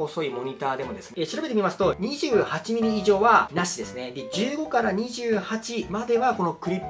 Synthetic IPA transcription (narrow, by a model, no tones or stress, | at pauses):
oso̞imo̞ɲ̟it̪aːd̪e̞mo̞d̪e̞sɨnɕiɾabeemʲimasɨ̥t̪o̞ɲ̟iʑɨːhat͡ɕimʲiɾʲiːʑo̞ːβanaɕid̪e̞sɨne̞d̪e̞d͡ʑɨːɡo̞kaɾaɲ̟iʑɨːhat͡ɕimad̪e̞βako̞no̞kɯ̟ɾʲipː